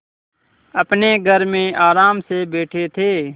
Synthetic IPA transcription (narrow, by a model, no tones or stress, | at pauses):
əpneːɡʱəɾmẽːʔaːɾaːmsebeːʈʰet̪ʰeː